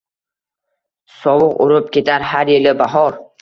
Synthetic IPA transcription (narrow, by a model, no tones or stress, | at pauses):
sɒwʊqʊɾʊp̚kʲʰe̞t̪ʰaɾhaɾjelɪbaɦɒɾ